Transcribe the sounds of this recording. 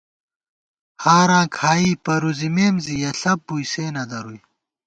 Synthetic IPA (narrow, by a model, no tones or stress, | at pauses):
haːɾãːkʰaːiːpɐɾuzimeːmzijɐɬɐpːujseːnɐd̪ɐɾuj